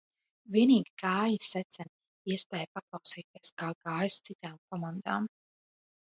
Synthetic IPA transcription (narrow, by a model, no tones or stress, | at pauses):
viɛniːɡi̥kaːjisɛt̪sɛn | iɛspɛːjpaklˠawsiːt̪iɛskaːɡaːjist̪sit̪aːmkɔmand̪a̰ːm